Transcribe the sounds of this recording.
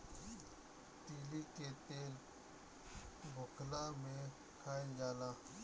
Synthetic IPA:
t̪iːliːket̪eːl | bʱʊkʰlaːmẽ | kʰaːind͡ʒaːlaː

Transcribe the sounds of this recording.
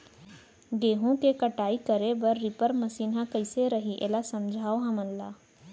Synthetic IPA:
ɡeːɦũkekəʈaːiːkəɾebəɾːipəɾməsiːnãkəɪseɾəɦiʔeːlasəmd͡ʒʱaːoɦãmənlaː

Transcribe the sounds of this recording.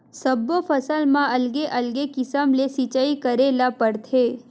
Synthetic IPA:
səbːofʰəsəlmãʔɐlɡeʔɐlɡekɪsəmlesit͡ʃaikəɾelapəɽt̪ʰeː

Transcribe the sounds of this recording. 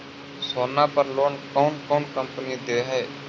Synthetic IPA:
soːnaːpəɾloːnkɔːnkɔːnkəmpənid̪eːɦɛː

